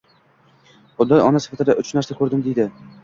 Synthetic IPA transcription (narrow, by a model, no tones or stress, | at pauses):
χʊd̪ɒjɒnasɪ̥fat̪ʰɪd̪aʔʊt͡ʃnaɾsakʰɵɾd̪ɪmd̪ejd̪ɪ